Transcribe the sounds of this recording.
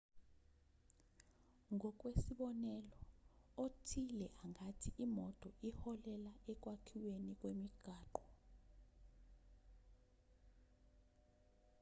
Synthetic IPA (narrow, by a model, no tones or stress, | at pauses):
ŋʱɔk̬ʼwesiɓɔnɛlɔotʰilɛʔaŋatʰiimɔtʼɔʔihɔlɛlaɛk̬ʼwakʰiwenik̬ʼwemiɡ̥ʱaːǃɔ̥